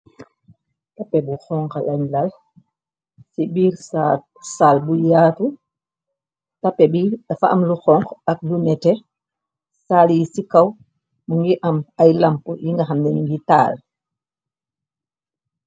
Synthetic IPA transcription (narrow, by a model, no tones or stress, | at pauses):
tapːɛbuxɔŋkalaɲlal | sibiːɾsa | salbujaːtu | tapːɛbifaamluxɔŋkak̚lunɛtɛ | saːljisikaw | muŋɡiʔamajlampujiŋɡaxamdɛniŋɡita̰ːl